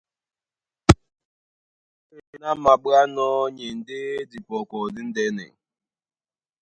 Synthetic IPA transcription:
e˦ɲi˨na˦m̩˦ma˨ba˦nɔː˦ɲe˨n̩˨dɪ˦di˨pɔ˨kɔ˨dɪ˦n̩˦de˦nḛ˨ŋ̩˨

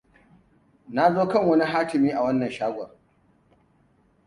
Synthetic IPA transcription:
na˦zoː˦kɐ˦˨ŋwɐ˦ni˦ɦaː˦kɪ˨miː˦ʔa˨wɐ˦nːɐ˨nʃaː˦ɡʷɐ˨

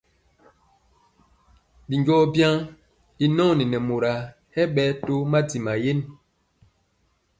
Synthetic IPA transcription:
bi˨ɲɟɔ˦bja˦ | i˨nɔ˦˨ni˨nɛ˨mo˨ɾa˨ | hɛ˦ɓɛ˦to˦ma˦ti˨ma˨je˦n

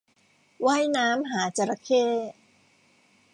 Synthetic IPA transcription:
waː˥˩jnaː˦˥mɦaː˩˦t͡ɕa˧ɾa˧kʰeː˥˩

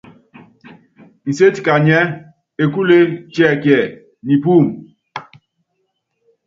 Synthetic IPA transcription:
n̩˨se˦ti̥˨ka˨ɲɛ˦ | e˨ku˦le˦t͡ʃɛ˦˨kjɛ˨ | ni˨pu˦˨m

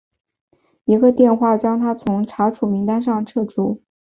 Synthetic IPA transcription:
i˧˥ɡə˧t̪jɛ˥˧nxwa˥˩t͡ɕjɑ˥ŋt̪ʰa˥t͡sʰʊ˧˥ŋʈ͡ʂʰa˧˥ʈ͡ʂʰu˨˩mi˧˥ŋt̪a˥nʂɑ˥˧ŋʈ͡ʂʰɤ˥˧ʈ͡ʂu˥˩

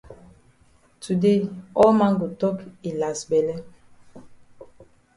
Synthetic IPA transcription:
tu˨de˦ɔ˦ma˦ŋɡu˨tɔ˦ki˨la˨sbɛ˨lɛ˦

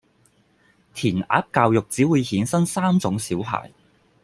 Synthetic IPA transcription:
t̪ʰiː˨˩nʔa̰ː˨˥p̚kaː˧wjʊ˨k̚t͡siː˨˥wuː˨˧jhiː˨˥nsɐ˥ŋsaː˥mt͡sʊ˨˧˥ŋsiː˨˥wɦa̰ː˨˩j

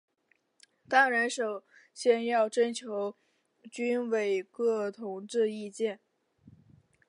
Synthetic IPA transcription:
t̪a˥ɻə˧˥nʂo˨˩ʊ | ɕjɛ˥˧njɑ˥˩ʊʈ͡ʂə˥nt͡ɕʰjo˧˥ʊ | t͡ɕy˥nwe˨˩ɪkɤ˥˩t̪ʰʊ˧˥ŋʈ͡ʂɻ̩˥˧i˥˧t͡ɕjɛ˥˩n

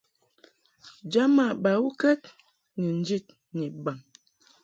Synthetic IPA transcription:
d͡ʒa˦ma˦˨ba˨wu˦kɛ˦t | nə˨n˦d͡ʒi˦t̚ | nɛ˨ba˨ŋ

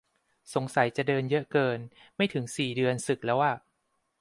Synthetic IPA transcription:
so˩˦ŋsa˨˩˦jt͡ɕa˨˩dɤː˧njɤ˦˥ʔkɤː˧nma˥˩jt̪ʰɯ˩˦ŋsiː˨˩dɯ˧ənsɯ˨˩k̚lɛː˦˥waː˥˩

